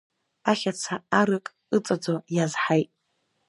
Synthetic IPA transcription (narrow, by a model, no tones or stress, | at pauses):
aχʲat͡sʰaaɾɨkʼ | ɨt͡sʼad͡zojazħajtʼ